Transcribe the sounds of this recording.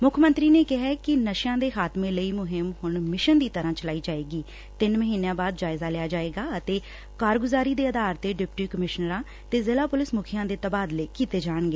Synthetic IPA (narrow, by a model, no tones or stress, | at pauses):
mʊkʰmənt̪ɾiːneːkɪɦɛːkɪnəʃjãːd̪eːxaːt̪mẽːləiːmʊɦɪmhʊɳmɪʃənd̪iːt̪əɾãːt͡ʃəlaːiːd͡ʒaːeːɡiː | t̪ɪnməɦiːnãːbaːd̪̚d͡ʒaːɪzaːlɪjaːd͡ʒaːeːɡaːət̪eː | kaːɾɡʊzaːɾiːd̪eːəd̪aːɾt̪eːɖɪpʈiːkəmɪʃnəɾãː | t̪eːzɪlaːpʊlɪsmʊkʰijãːd̪eːt̪əbaːd̪leːkiːt̪eːd͡ʒaːɳɡeː